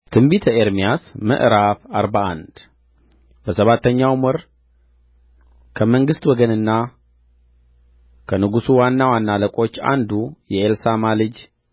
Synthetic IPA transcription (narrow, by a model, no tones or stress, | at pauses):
t̪ʰɨmbit̪ʰəeɾmijasmə̰ʔɾafaɾbaʔa̰nd̪̥ | bəsəβat̪ʰːəɲːawmɔɾ | kʰəməŋɡɨst̪wɔɡənɨnːa | kʰənɨɡusuwanːawanːaləkʼo̞t͡ʃːa̰nd̪ujɛelsamalɨd͡ʒ